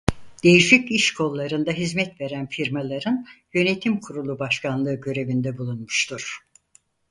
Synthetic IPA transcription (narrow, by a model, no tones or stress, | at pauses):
d̪̥e̞jiʃiciʃkʰo̞lˠːaɾɯnd̪aɦizmɛt̪ve̞ɾænfiɾmalˠaɾɯnjø̞ne̞t̪ʰimkʰuɾulˠubaʃkʰanlˠɯːɟø̞ɾe̞vind̪ɛbulˠunmuʃt̪ʰuɾ̥